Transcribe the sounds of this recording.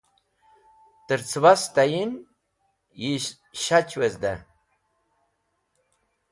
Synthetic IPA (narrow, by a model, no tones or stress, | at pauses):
t̪ɨɾt͡sʰwast̪ajin | ji | ɕat͡ɕʰwezd̪a